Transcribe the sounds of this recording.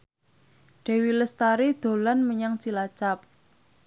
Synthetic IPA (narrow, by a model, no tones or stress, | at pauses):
ɖ̥e̤wiləst̪aɾid̪̥o̤lanməɲaŋt͡ʃilat͡ʃap̚